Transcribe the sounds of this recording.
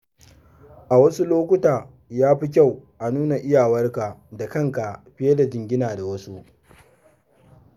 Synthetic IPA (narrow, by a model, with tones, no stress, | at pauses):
ʔa˨wɐ˦su˦loː˦kʷʊ˦taː˨ | jaː˦ɸi˦k̬ʲa˦˨wʔa˨nuː˦na˨ʔɪ˦jaː˨wɐ˦rka˨da˨kɐ˦ŋka˨ʔɸɪ˦je˦da˨d͡ʒɪ˨ŋɡʲɪ˦naː˨da˨wɐ˦su˦ʔ